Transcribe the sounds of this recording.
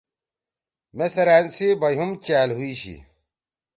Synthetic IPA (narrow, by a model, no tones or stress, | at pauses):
mesɐɾaːnsibɐjɦumt͡ɕaːlɦuiɕḭ